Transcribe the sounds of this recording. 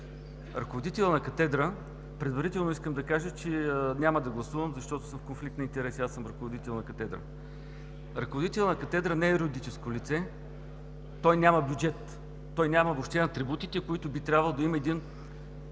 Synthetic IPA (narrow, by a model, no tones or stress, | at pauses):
ɾɐkovod̪it̪ɛlʲˠənɐkɐt̪ɛd̪ɾə | pɾɛd̪vɐɾit̪ɛlˠnʊiskəmd̪ɐkaʒət͡ʃɛnʲaməd̪ɐɡlˠɐsuvəmzɐʃt̪ɔt̪ʊsɤmfkonflik̚t̪int̪ɛɾɛsiasəmɾɐkovod̪it̪ɛlˠnɐkɐt̪ɛd̪ɾə̰ | ɾɐkovod̪it̪ɛlʲˠənɐkɐt̪ɛd̪ɾənɛɛɾood̪it͡ʃɛskolʲit̪sɛ | t̪ɔjnʲamɐbʲjud͡ʒɛt̪ː | ɔjnʲamɐvoːpʃt̪ɛnɐt̪ɾibut̪it̪ɛkoit̪ʊbit̪ɾʲabvɐlˠod̪ɐimɐɛd̪in